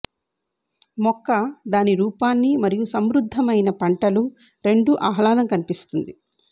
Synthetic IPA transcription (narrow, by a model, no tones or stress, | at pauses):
mɔkːɐd̪aːniɾuːpaːnːimɐɾijusɐmɾud̪ʱːɐmɐjnɐpɐɳʈɐlu | ɾe̞ɳɖuʔaːɦɐlaːnɐmkɐnipist̪und̪i